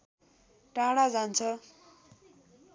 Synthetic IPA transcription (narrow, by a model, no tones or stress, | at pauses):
ʈãɽad͡zant͡sʰʌ